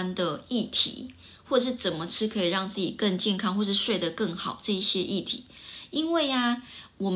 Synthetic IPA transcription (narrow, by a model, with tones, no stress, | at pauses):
nd̪ə˨i˥˩t̪ʰḭ˨˦ | xwɔ˥˩˨ʂɻ̩˥˩t͡sə˨˩nmə˦ʈ͡ʂʰɻ̩˥kʰɤ˧˥i˨˩ɻɑ˥˧ŋt͡sɹ̩˥˩t͡ɕḭ˨˩kə˥˧ŋt͡ɕjɛ˥˧nkʰɑ˥ŋxwɔ˥˧ʂɻ̩˥˧ʂwe˥˩ɪd̪ə˩kə˥˩ŋxɑ˨˩ʊʈ͡ʂɤ˥˧i˥˩ɕjɛ˥ʔi˥˩t̪ʰḭ˨˦i˥nwe˥˩ɪa˩wɔ˨˩m